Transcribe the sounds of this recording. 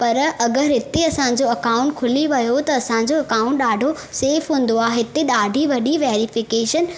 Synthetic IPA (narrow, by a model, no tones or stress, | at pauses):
pɐɾɐɡəɾɦɪt̪eɐsãːɲ̆d͡ʑoɐkaːʊ̃ɳʈkʰʊliʋɐjot̪ɐːsãɲ̆d͡ʑoɐkaːʊ̃ɳʈɗaːɖʱo | seːfɦũːnd̪oaːɦɪt̪eɗaːɖʱiʋɐɗiʋeːɾifɪkeːʃən